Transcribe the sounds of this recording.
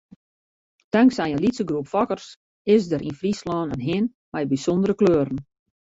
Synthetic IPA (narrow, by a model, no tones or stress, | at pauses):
d̥aŋksɛjənlitsəɡrupfɔkərs | ɪsdəɾinfrislɔːnənɦɪn | mɛjbisondəɾəkløːɾən̩